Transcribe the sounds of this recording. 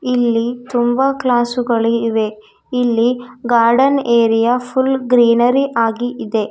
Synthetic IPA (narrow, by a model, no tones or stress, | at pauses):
ilːit̪umbɐklaːsuɡɐɭiːʋe | ilːiɡaːɾɖɐneːɾijapʰulɡɾiːnɐɾiʔaːɡiʔid̪e̞